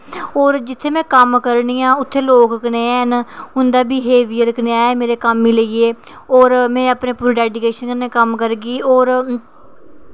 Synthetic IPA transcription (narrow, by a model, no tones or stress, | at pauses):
oːɾd͡ʒɪt̪ʰːeːmɛ̃ːkəmkəɾɳiːãːʊt̪ʰːeːloːkkneːɛːnɦʊnd̪aːbiːɦeːʋiːəlknɪaːeːmeːɾeːkəmːiːləiːeː | ɔːɾmɛ̃ːəpneːpuːɾɖɛːɖikeːʃənkənːeːkəmkəɾɡiːoːɾ